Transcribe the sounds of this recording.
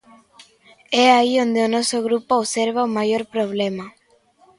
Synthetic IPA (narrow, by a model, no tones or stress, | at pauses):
ɛaiond̪eonɔsoɣɾupooβseɾβaomajoɾpɾoβ̞lema